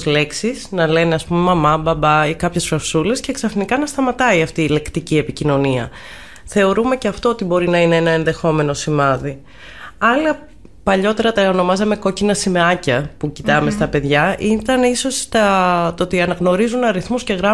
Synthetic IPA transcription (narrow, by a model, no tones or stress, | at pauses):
zle̞ksisnɐle̞neɐspumemɐmɐbɐbɐikɐpçe̞sfɾɐfsule̞sce̞ːksɐfnikɐnɐst̪ɐmɐt̪ɐiɐft̪iːle̞kt̪icie̞picino̞niɐ̰ | θe̞o̞ɾume̞ceɐft̪o̞ot̪ibo̞ɾinɐineenɐenðe̞xo̞me̞no̞simɐði | ɐlɐ | pɐʎo̞t̪e̞ɾɐt̪ɐono̞mɐzɐme̞ko̞cinɐsimeɐcɐpucit̪ɐme̞st̪ɐpe̞ðʝɐit̪ɐniso̞st̪ɐt̪ot̪iɐnɐɣno̞ɾizunɐɾiθmusce̞ɣɾɐ